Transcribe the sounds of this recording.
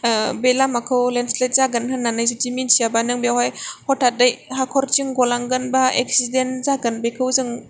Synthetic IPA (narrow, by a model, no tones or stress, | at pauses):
belamakʰɯwlenslejt̚zaɡɯnhɯnːanajzɯd͡ʒiminsijabanɯŋbjawhajhɔtʰadajhakʰɔɾt͡ʃiŋɡɔlaŋɡɯnbaek̚sidenzaɡɯnbekʰɯwzɯŋ